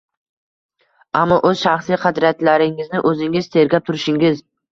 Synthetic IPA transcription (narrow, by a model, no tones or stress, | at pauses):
amːɒʔɵz̥ʃaχsijqʰɑd̪ɾat̪laɾɪŋɪznɪʔɵzɪŋɪzt̪ʰe̞ɾɡʲap̚t̪ʰʊɾɪʃɪŋʲɪz